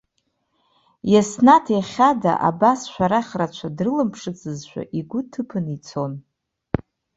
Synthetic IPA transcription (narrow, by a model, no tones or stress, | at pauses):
jasnatʰjaχʲada̰ʔa̰basʃʷᶣaɾaχʲrat͡ʃʷʰadrɨlɨmpʰʂɨt͡sʰʼɨzʃʷᶣa̰ʔiɡʷʊtʰɨpʰɨnit͡sʰo̞n